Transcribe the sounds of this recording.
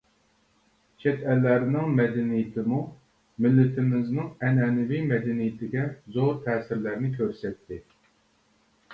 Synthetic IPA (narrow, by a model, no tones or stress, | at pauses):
t͡ʃʰɛt̪ɛlːæɾnɪŋmɛd̪ɛnijɪt̪ʰɪmu | mɪlːɪt̪ʰɪmɪznɪŋɛnɛːnɪvimɛd̪ɛnijɪt̪ʰɪɡʲɛzoɾt̪ʰɛːsɪɾlæɾnɪkʲʰøɾsɛt̪ʰːɪ